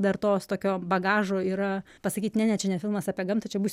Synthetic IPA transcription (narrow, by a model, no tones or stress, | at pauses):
d̪ɐrt̪oːst̪oːkʲoːbɐɡɑːʒoːiːɾɐ | pɐsɐkʲiːt̪nʲɛnʲɛt͡ʃʲɛnʲɛfʲɪlˠmɐsɑːpʲiɛɡɐmt̪ɐt͡ʃʲɛbuːs